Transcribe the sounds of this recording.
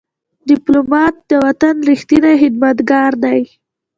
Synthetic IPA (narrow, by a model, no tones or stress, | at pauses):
ɖɪplomɑt̪̚d̪əwat̪anɾixt̪inaɦɪd̪̚mat̪ɡɑɾd̪aj